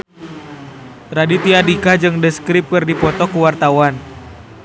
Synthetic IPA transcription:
t̪ɾadit̪iadikad͡ʒɨŋdəskɾip̚kɨrdipɔt̪ɔkuwart̪awan

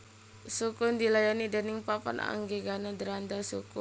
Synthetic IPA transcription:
sukʊndilajanidənɪŋpapa̰na̰ŋɡeɡanadəɾand̪asukʊ

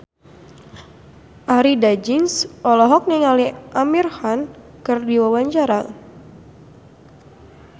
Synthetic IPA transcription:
ʔaɾidad͡ʒinsʔɔlɔɦɔk̚niŋaliʔamirhan | kɨrdiwawaɲt͡ʃaɾa

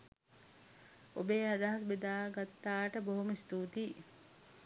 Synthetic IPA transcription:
o̰beːad̪aɦɐsbed̪aːɡat̪ːaːʈəboɦumist̪uːt̪iː

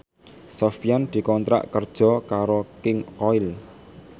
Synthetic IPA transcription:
sɔfijand̪̥i̤kɔnt̪ɾa̰ʔkərd̥ʒ̥ɔ̤kaɾokɪŋkɔɪl

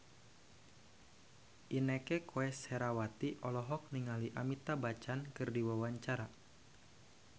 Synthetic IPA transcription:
ʔinɛkɛkʰoɛshɛɾawat̪iʔɔlɔɦɔk̚niŋaliʔamit̪abat͡ʃankɨrdiwawaɲt͡ʃaɾa

